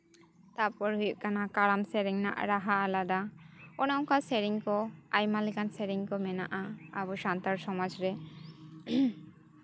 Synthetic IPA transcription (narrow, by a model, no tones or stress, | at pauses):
t̪apɔɾɦujuʔkanakaɾamsɛɾiŋna̰ʔɾaɦalad̪aɔnɔ̃ŋkasɛɾiŋkɔajmalɛkansɛɾiŋkɔmɛna̰ʔaa̰bɔʃant̪aɾsɔmad͡ʒɾɛ